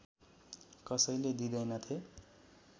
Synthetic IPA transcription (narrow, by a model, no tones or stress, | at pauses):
kʌsʌjled̪id̪ʌjnʌt̪ʰe